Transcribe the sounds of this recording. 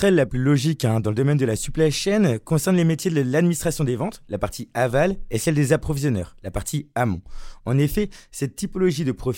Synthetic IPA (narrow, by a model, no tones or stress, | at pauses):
ɛlːaplylɔʒikɛ̃d̪ɑ̃ləd̪ɔmɛnd̪əlasyplaʃɛnkɔ̃sɛʁnlemet̪jed̪lad̪minist̪χasjɔ̃d̪evɑ̃t̪lapaʁt̪ʰiavalɛsɛld̪ezapχɔvizjɔnœ̰ːʁlapaʁt̪ʰiamɔ̃ɑ̃nefɛsɛt̪ːipɔlɔʒid̪əpχɔf